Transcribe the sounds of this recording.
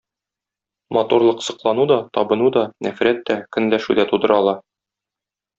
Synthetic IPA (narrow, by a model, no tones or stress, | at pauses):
mɒt̪uɾlˠɤqsɤ̆qlˠɑnud̪ɒt̪ɒbɤ̆nud̪ɒnæfɾæt̪ːækɵ̆nlæʃʉd̪æt̪ud̪ɤ̆ɾɑlˠɑ